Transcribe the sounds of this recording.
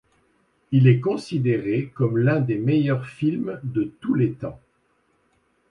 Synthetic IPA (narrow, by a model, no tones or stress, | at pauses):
ilɛkɔ̃sid̪eʁekɔmlɛ̃d̪emejœʁfilmd̪ət̪ulet̪ɑ̃